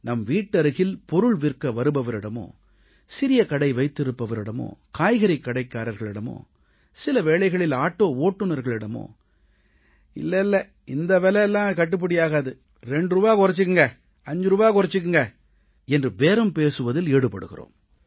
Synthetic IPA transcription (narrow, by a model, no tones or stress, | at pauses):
nɐmʋiːʈːɐɾɯɣɪlpɔɾɯɭʋɪrkɐʋɐɾɯbɐʋɐɾɪɽɐmo̰ː | sɪɾɪjɐkɐɽɐɪʋɐɪt̪ːɪɾɯpːɐʋɐɾɪɽɐmo̰ːkaːjɣɐɾɪkːɐɽɐɪkːaːɾɐɾɣɐɭɪɽɐmo̰ː | sɪlɐʋeːɭɐɪɣɐɭɪlaːʈːoːoːʈːɯnɐɾɣɐɭɪɽɐmo̰ː | ɪ̰lːɐɪlːɐ | ɪnd̪ɐʋɛlɐɛlːãːkɐʈːɯp̬ːɪɽɪjaːɣaðɯ | ɾɛɳɖɾɯbaːɣɔɾɐt͡ʃːɯkːɯŋɡɐ | ɐɲd͡ʒɯɾɯbaːkɔɾɐt͡ʃːɯk̬ːɯŋɡɐ | ɛndrɯʋeːɾɐmpeːsɯʋɐðɪleːɽɯpːɐ̰ɽɯ̰ɣɪ̰ro̰ːm